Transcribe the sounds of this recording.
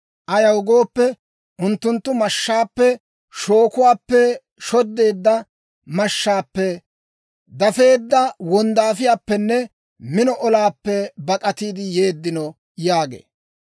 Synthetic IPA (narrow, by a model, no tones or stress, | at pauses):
ʔɐjɐwʊɡoːpːɛ | ʔʊnt̪ːʊnt̪ːʊmɐʃːaːpːɛ | ʃoːkʊwaːpːɛ | ʃɔd̪ːe̞ːd̪ːɐ | mɐʃːaːpːɛ | d̪ɐfe̞ːd̪ːɐwɔnd̪aːfɪjaːpːɛnːɛ | mɪnɔʔɔlaːpːɛbɐkʼɐt̪iːd̪ɪje̞ːd̪ːɪnɔ | jaːɡḛː